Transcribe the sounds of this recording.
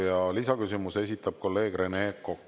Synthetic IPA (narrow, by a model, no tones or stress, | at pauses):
jɑlisɑkysimuse̞sʲit̪ːˑɑb̥̚ko̞lːe̞ːɡ̥re̞nekokː